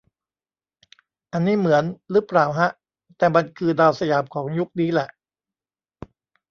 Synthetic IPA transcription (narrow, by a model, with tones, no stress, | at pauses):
ʔa˧nːiː˦˥˩mɯ˩˦ənɾɯː˦˥pɾaː˨˩wɦa˦˥ʔ | t̪ɛː˨˩ma˧nkʰɯː˧daː˧wsa˧jaː˩˦mkʰɔː˩˦ŋju˦˥k̚niː˦˥˩lɛ˨˩ʔ